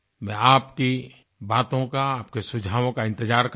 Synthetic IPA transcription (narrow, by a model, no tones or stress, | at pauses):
mɛ̃aːpki | baːt̪õkaaːpkesʊd͡ʒʱaːʋõkaɪ̃nt̪ɪd͡ʒaːɾk